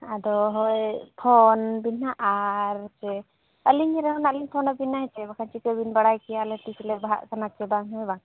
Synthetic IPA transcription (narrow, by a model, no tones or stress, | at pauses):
ad̪ɔɦɔjpʰɔnbinaʔaɾɛt͡ʃɛ | əliɲɾɛɦɔnaʔliɲpʰɔnabinaɦɛt͡ʃɛbakʰant͡ʃikəbinbaɽajkɛaalɛʈislɛbaɦa̰ʔkanat͡ʃɛbaŋɦɔjbaŋ